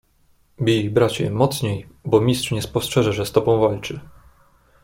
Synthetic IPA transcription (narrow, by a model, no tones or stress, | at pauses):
bʲijbɾat͡ɕɛ̰mɔt̪sɲejbɔmʲistʂɲɛspɔstʂɛʐɛʐɛst̪ɔbɔ̃w̃valt͡ʂɘ